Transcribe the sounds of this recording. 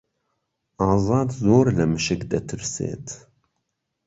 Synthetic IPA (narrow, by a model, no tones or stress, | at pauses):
ʔɑːzˤɑːd̪zoːɾləmɨʃɨkd̪ɐt̪ʰɨɾsḛːt̪ʰ